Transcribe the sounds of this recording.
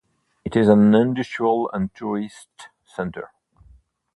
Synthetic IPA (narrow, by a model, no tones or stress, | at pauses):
ɨtɪzə̃nɪ̃ndɨʃuəlˠə̰̃ntʰuɹɪst | sɛ̃ntʰə̰˞